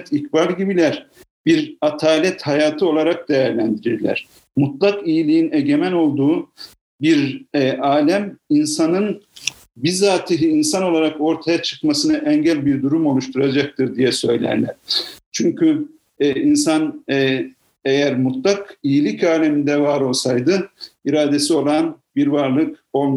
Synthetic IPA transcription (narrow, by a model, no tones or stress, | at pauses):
t̪ʰikbalʲɟibilʲæɾ̥ | biɾat̪ʰaːlʲɛt̪hajaːt̪ʰɯo̞lˠaɾak̚d̪ejæɾlʲænd̪iɾiɾlʲæ̰ɾ̥ | mut̪lˠakijilʲijineɟe̞mæno̞lˠd̪uː | biɾɛaːlʲæminsanɯn | bizaːt̪ʰiɦiːnsano̞lˠaɾako̞ɾt̪ʰajat͡ʃʰɯ̥kmasɯnaʔɛɲɟælʲbiɾd̪uɾumo̞lˠuʃt̪ʰuɾad͡ʒak̚t̪ʰɯɾd̪ijɛsø̞jlʲæ̰ɾlʲæ̰ɾ̥t͡ʃʰyɲcʰy | insan | ejæɾmut̪lˠakijilʲicaːlʲemind̪ɛvaɾo̞lˠsajd̪ɯiɾaːd̪e̞sio̞lˠanbiɾvaɾlˠɯkon